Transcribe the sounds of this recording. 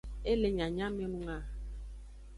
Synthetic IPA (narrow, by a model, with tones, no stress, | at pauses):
e˦le˨ɲã˨ɲã˦me˦nũ˦ŋa˦